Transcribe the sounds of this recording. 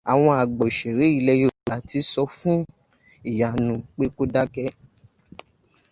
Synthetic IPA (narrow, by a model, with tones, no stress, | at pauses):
a˨w̃ɔ̃˧a˨ɡ͡bɔ˨ʃe˨ɾe˨˦i˦˧lɛ˧jo˦˨a˨˦ti˨˦sɔ˧fũ˦ | i˦˨ja˨nũ˧˦k͡pe˦ko˦da˦kɛ˧˦